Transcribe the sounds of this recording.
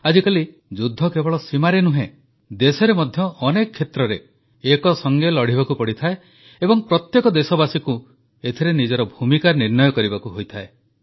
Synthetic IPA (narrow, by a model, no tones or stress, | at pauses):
ad͡ʒikali | d͡ʒud̪ʱːɔkebɔɭɔsimaɾenuɦḛ̃ | d̪esɔɾemɔd̪ʱjɔʔɔnekɔkʰːet̪ɾɔɾeː | kɔsɔŋɡelɔɽ̤ibakupɔɽit̪ʰae | ebɔŋpɾɔt̪jekɔd̪esɔbasiku | et̪ʰeɾenid͡ʒɔɾɔbʱumikaniɾnɔjɔkɔɾibakuɦojt̪ʰae